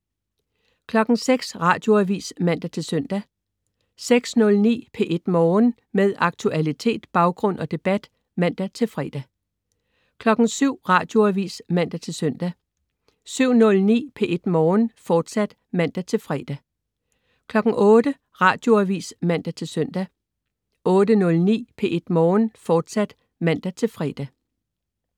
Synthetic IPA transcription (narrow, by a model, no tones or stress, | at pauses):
kʰlɒ̽ɡ̥ŋ̩seɡ̥sʁɑ̈ːd̥jo̝æʋḭːsmæn̰d̥æt͡sʰe̝lsœn̰d̥æ | seɡ̥snɔ̽lnḭːpʰe̝ʔe̝d̥mɒːn | meðˠɑ̈ɡ̥̚t͡sʰuælit͡sʰe̝̰ːd̥b̥ɑ̈ʊɡ̥ʁɔ̽n̰ɒ̽d̥e̝b̥æd̥ | mæn̰d̥æt͡sʰe̝lfʁɛ̰ːd̥æ | kʰlɒ̽ɡ̥n̩syʊ̰ʁɑ̈ːd̥jo̝æʋḭːsmæn̰d̥æt͡sʰe̝lsœn̰d̥æ | syʊ̰nɔ̽lnḭːpʰe̝ʔe̝d̥mɒːnfɒːd̥sæd̥ | mæn̰d̥æt͡sʰe̝lfʁɛːd̥æ | kʰlɒ̽ɡ̥ŋ̩ʔɔ̽ːd̥ə | ʁɑ̈ːd̥jo̝æʋḭːsmæn̰d̥æt͡sʰe̝lsœn̰d̥æ | ʔɔ̽ːd̥ənɔ̽lnḭːpʰe̝ʔe̝d̥mːnfɒːd̥sæd̥ | mæn̰d̥æt͡sʰe̝lfʁɛːd̥æ